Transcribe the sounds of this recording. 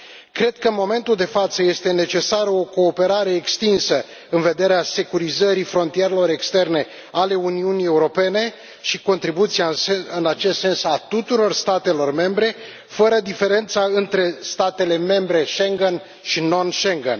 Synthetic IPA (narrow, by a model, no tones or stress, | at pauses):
kɾe̞d̪̥̚kəmo̞me̞nt̪uld̪e̞fat̪səje̞st̪e̞ne̞t͡ʃe̞saɾəo̞ko̞ːpe̞ɾaɾe̞ːkst̪insə | ɨnve̞d̪e̞ɾease̞kuɾizəɾifɾo̞nt̪ije̞ɾe̞lo̞ɾe̞kst̪e̞rne̞ | ale̞uniunie̞uɾo̞pe̞ne̞ | ʃiko̞nt̪ɾibut̪siaɨnat͡ʃe̞st̪se̞nsat̪ut̪uɾo̞rst̪at̪e̞lo̞rme̞mbɾe̞ | fəɾəd̪ife̞ɾe̞nt̪saɨnt̪ɾe̞st̪at̪e̞le̞me̞mbɾe̞ʃeŋɡen | ʃino̞nʃeŋɡen